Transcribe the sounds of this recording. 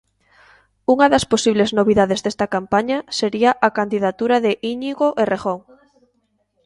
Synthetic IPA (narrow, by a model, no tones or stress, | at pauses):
uŋɐðɐsposiβleznoβiðaðezðest̪ɐkampaɲaseɾiaʔakand̪iðat̪uɾaðeʔiɲiɣoʔereɣoŋ